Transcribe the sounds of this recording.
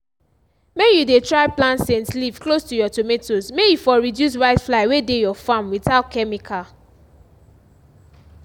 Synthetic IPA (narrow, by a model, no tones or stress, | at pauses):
mejudetɹaɪplãntsɛ̃nslivklostujɔtometosmejifɔɹidjus̬waɪtflaɪwedejɔfãmwiθaʊt̚kʰɛmikʰa